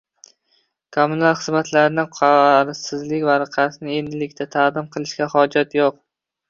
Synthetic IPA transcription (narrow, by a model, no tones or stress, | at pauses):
kʰomːunalˠχɨzmat̪ʰlaɾnɪqʰɑɾsɪzlɪkʲvaɾqʰɑt̪ʰɪnɪe̞nd̪ɪlɪkʲt̪ʰat̪ʰaʁd̪ɪmqʰɨlˠɪʃkʲahɒd͡ʒat̪ʰjoq̚